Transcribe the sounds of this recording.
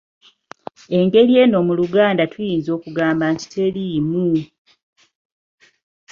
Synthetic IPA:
e̞ŋɡe̞lje̞ːno̞ːmuluɡaːndatujiːnzo̞ːkuɡaːmbanti̥te̞limu

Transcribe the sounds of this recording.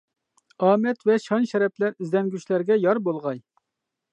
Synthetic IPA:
ɑːmɛt̪vɛʃɑnʃɛɾɛplæɾizd̪ɛnɡʲyt͡ʃlæɾɡʲɛjɑɾbolˠʁɑj

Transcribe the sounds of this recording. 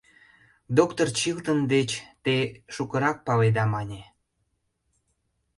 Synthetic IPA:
d̪okt̪ort͡ɕilt̪ənd̪et͡ɕt̪eʃukəɾɑk̚pɑled̪ɑmɑnʲe

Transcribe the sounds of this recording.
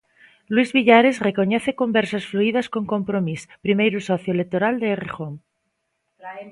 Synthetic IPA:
lwizβiʎaɾe̞zre̞ko̞ɲeθe̞ko̞mbeɾsasfluiðasko̞ŋko̞mpɾomispɾimejɾusoθjoelek̚t̪oɾald̪eːrexoŋ

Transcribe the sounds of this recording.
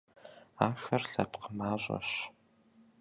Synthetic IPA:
aːxɐrɬɐpqʰəmaːʑʼɐ̰ɕ

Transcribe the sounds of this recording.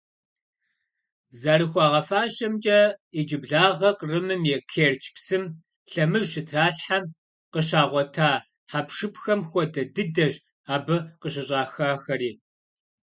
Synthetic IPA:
zaɾɨxʷɑːʁɐfaːʃɐmd͡ʒʼɐid͡ʒɪbɮaːʁɐqrɨmɨmjɛkʰeːrt͡ʃʰʼpsɨm | ɬɐmɨʒɕɪtʰraːɬħam | qəɕ̬aːʁʷɔtʰaː | ħapʂɨpxɐmxʷɔdɐdɨdɐʒ | aːbɨqəɕ̬ɪɕʼaːxaːxɐɾiː

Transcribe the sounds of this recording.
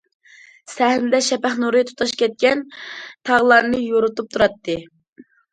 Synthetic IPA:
sæhɪmd̪ɛʃɛpæχnuɾɨt̪ʰu̥t̪ʰɑʃkʲɛt̪̚kʲɛnt̪ʰɑʁlˠɑɾnɨjoɾut̪up̚t̪ʰuɾɑt̪ːɨ

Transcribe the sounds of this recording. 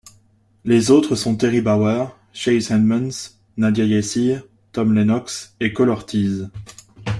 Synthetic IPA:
lezot̪χəsɔ̃t̪eʁibawɛʁ | ʃɛjzɛnd̪mans | nad̪jajɛsi | t̪ɔmlenɔksekɔlɔʁt̪ʰiz

